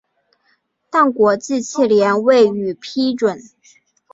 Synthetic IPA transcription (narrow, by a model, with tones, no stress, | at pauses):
t̪a˥˩ŋkwɔ˧˥t͡ɕ̩˥˧t͡ɕʰi˥˩ljɛ˧˥nwe˥˩ɪy˨˩pʰi˥ʈ͡ʂwə˨˩˦n